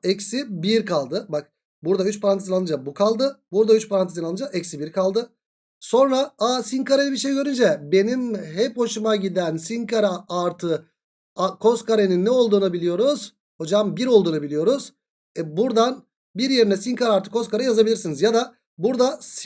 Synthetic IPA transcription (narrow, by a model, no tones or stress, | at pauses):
ɛcsibiɾkʰalˠd̪ɯbak̚ | buɾd̪ayt͡ʃpʰaɾant̪ʰisinalˠɯd͡ʒabukʰalˠd̪ɯbuɾd̪ayt͡ʃpʰaɾanisinalˠɯd͡ʒaʔɛcsibiɾkʰalˠd̪ɯ | so̞nɾaaːsiŋkaɾelʲibiɾʃe̞jiɟøɾynd͡ʒɛbe̞nimɦɛpho̞ʃumaɟid̪ænsiŋkʰaɾaaɾt̪ʰɯ | akʰo̞skʰaɾeninːɛo̞lˠd̪uːnabilʲijo̞ɾuz̥ | ho̞d͡ʒambiɾo̞lˠd̪uːnubilʲijo̞ɾuz̥ | ɛbuɾd̪an | biɾje̞ɾinɛsiŋkʰaɾaːɾt̪ʰɯkʰo̞skaɾajazabilʲiɾsinizjad̪a | buɾd̪as